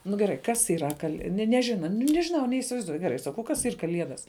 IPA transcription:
nʊ ɡʲɛˈrɐɪ kɐs iːˈrɐ kɐlˠ nʲɛ nʲɛˈʒʲɪnɐ nʊ nʲɛʒʲɪˈnɐʊ nʲɛiːsʲɪʋɐɪzˈduɔj ɡʲɛˈrɐɪ sɐˈkɐʊ ˈkɐs ˈiːr kɐˈlʲiɛdɐs

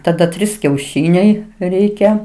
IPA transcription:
tɐˈdɐ ˈtʲrʲiːs kʲɛʊˈʃʲiːnʲɛɪ ˈrʲɛɪkʲɛ

